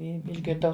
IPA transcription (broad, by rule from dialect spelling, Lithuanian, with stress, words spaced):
ˈɪ ɪʒʲɡʲɪrˈdɐʊ